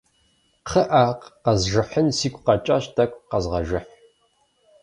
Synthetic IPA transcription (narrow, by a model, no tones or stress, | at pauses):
qʰəʔaːqqɐzʒɨħənsiːkʷʼqɑt͡ʃʼaɕtʰɐkʷʼqɐzʁɐʒɪħ